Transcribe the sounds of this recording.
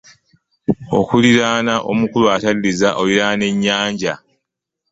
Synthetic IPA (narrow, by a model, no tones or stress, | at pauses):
o̞̰kuliɾaːnaʔo̞̰mukulwatalilizaʔo̞liɾaːne̞ɲːaːɲɟa